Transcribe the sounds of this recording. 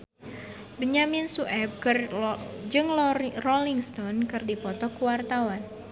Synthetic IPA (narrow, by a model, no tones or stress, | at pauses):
bəɲamɪnsuʔɛb̚kɨrd͡ʒɨŋlrɔliŋst̪ɔnkɨrdipɔt̪ɔkuwart̪awan